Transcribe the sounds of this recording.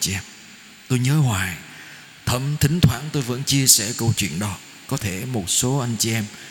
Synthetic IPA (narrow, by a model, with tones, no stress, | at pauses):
t͡ɕi˨ʔɛ˧m | t̪o˧jɲəː˨˦ɦwaː˨˩j | t̪ʰə˧˩mt̪ʰï˨˦ŋ̟t̪ʰwaː˧˩nt̪o˧jvə̰˧˥nt͡ɕi˧əsɛ̰˧˩kə˧wt͡ɕwḭ˧˨ənɗɔ˨˦ | kɔ˨˦t̪ʰe˧˩mo˨˩t̚so˨˦ʔa˧jŋt͡ɕi˨ʔɛ˧m